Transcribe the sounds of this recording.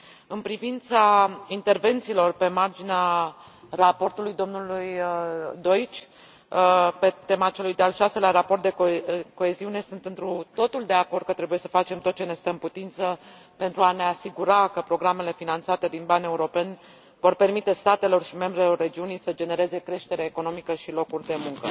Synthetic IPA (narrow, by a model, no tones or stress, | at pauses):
ɨnpɾivint̪saint̪e̞rve̞nt̪siːlo̞rpe̞mard͡ʒinea | rapo̞rt̪ulujd̪o̞mnulujd̪o̞it͡ʃʲ | pe̞t̪e̞mat͡ʃe̞lujd̪ealʃase̞laɾapo̞rt̪̚d̪eko̞e̞ziune̞sɨnt̪ɨnt̪ɾut̪o̞t̪uld̪e̞akord̪̚kət̪ɾe̞buje̞sə̥fat͡ʃe̞mt̪ot̪̚t͡ʃe̞ne̞st̪əɨmput̪int̪sə | pe̞nt̪ɾuane̞asiɡuɾakəpɾo̞ɡɾame̞le̞finant̪sat̪e̞d̪inbane̞uɾo̞penʲ | vo̞rpe̞rmit̪e̞st̪at̪e̞lo̞rʃime̞mbɾelo̞rːe̞d͡ʒiunijsəd͡ʒe̞ne̞ɾe̞ze̞kɾe̞ʃt̪e̞ɾeeko̞no̞mikəʃilo̞kurʲd̪e̞muŋkə